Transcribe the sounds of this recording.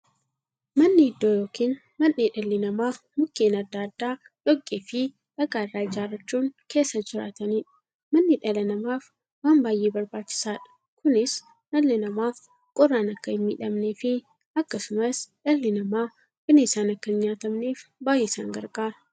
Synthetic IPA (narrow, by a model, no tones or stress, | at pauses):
mɐnːɪɪd̪ːoːjoːkiːn | mɐnːiːᶑɐlːɪnɐmaːf | mʊkːeːnɐd̪ːaːd̪ːaː | ᶑɔkʼːeːfɪ | ᶑɐɡaːɪrːaːɪd͡ʒaːrːɐt͡ʃːuːŋke̞ːsːɐd͡ʒɪɾa̰ːt̪ɐniːᶑɐ̥ | mɐnːɪᶑɐlɐnɐmaːf | waːmbaːjːeːbɐɾbaːt͡ʃːɪ̥saːᶑɐ̥ | kʊnɪs | nɐlːɪnɐmaːf | kʼɔrːaːnɐkːɐɪmːḭːᶑɐmneːfɪ | ɐkːɐsʊmɐsᶑɐlːɪnɐmaː | b̥ɪnɪsaːnɐkːɐɪɲːaːt̪ɐmneːfbaːjeːsa̰ːŋɡɐ̰ɾɡʼaːɾɐ